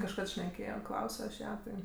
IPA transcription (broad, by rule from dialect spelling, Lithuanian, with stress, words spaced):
kɐʃˈkɐt ʃʲnʲɛˈkʲeːjoː ˈklˠɐʊsʲoː ɐʃ ˈjæː ˈtɐɪ